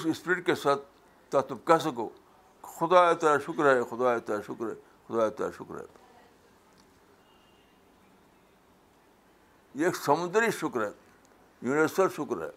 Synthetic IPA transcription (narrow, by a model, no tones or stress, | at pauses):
sispɾiʈ̚kesaːt̪̚ | t̪ɐt̪lub̚kɐs̬ɐko̰ː | kxʊd̪aːet̪ɐaʃʊkɾɦexʊd̪aːet̪ɐʃʊkɾɦḛ | xʊd̪aːet̪ɐ̰ʃʊkɾɛ̰ | eːksɐmʊ̃nd̪əɾiʃʊkɾɦɛ | juniʋəɾsəlʃʊkɾɦɛ̰ː